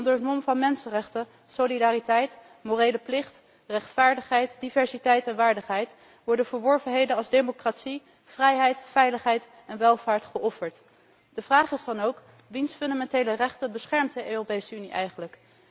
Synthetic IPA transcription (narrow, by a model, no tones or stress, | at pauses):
ɔndəɹɦətmɔmvɑnmɛnsənrɛχtə | solidaːritɛjt | morejləplɪχt | rɛχtfaːɹdəχɦɛjtdivɛɹsitɛjtɛnʋaːɹdəχɦɛjt | ʋɔɹdənvəɹʋɔɹvənɦejdənɑlˠzdemokraːtsi | vrɛjɦɛjtfɛjləχɦɛjt | ɛnʋɛlˠvaːɹtχəʔɔfəɹt | d̥əv̥raːχɪzdɑnowk | ʋinsfɵndamɛntejlərɛχtənbəsχɛɹmt̚dəʔøːropejsəyniʔɛ̰jχənlək